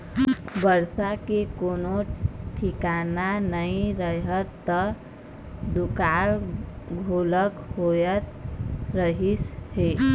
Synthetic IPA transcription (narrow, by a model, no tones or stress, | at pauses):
bəɾsakekonoʈʰikananəĩɾəɦət̪ːə | d̪ukalɡʱoləkhojət̪ɾəɦishe